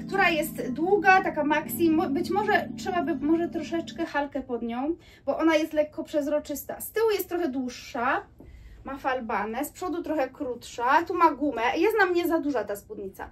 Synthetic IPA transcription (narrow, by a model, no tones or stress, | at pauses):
kt̪uɾajɛst̪d̪wuɡat̪akamaksʲimɔbɘt͡ɕmɔʐɛtʂɛbabɘmɔʐɛt̪ɾɔʂɛt͡ʂkɛxalkɛpɔd̪ɲɔ̃w̃ | bɔʔɔnajɛst̪lɛkːɔpʂɛzɾɔt͡ʂɘst̪a̰st̪ɘwujɛst̪ːɾɔxɛd̪wuʂːa | mafalbanɛspʂɔd̪ut̪ɾɔxɛkɾut̪ʂat̪umaɡumɛjɛst̪namɲɛzad̪uʐat̪aspud̪ɲit̪sa̰